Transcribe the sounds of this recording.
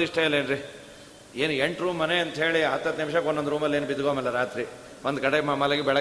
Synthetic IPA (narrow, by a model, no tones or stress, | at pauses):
iʂʈɐɐleːnɾi | eːnueɳʈɾuːmːɐneɐnt̪ɦe̞ːɭiɐt̪ːɐt̪nimʃɐkonːond̪ɾuːmɐlːeːnubid̪uɡomɐlːɐɾaːt̪ɾi | ʋond̪kɐɽemɐmɐlɐɡibɛɭɐ